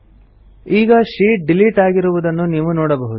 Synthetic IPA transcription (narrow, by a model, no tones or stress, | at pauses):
iːɡɐʂiːʈ̚ɖiliʈaːɡiɾuʋud̪ɐnːuniːʋunoːɽɐbɐɦud̪u